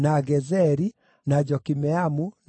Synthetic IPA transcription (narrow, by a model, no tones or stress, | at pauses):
naɡɛzɛɾi | nad͡ʒɔkimɛamu